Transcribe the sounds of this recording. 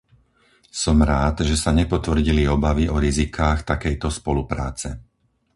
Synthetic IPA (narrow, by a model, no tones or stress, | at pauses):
sɔmɾaːd̪ʒɛsaɲɛpɔt̪ʋr̩ɟiliɔbaʋiʔɔɾizikʰaːxt̪akɛjt̪ɔspɔlupɾa̰ːt͡sɛ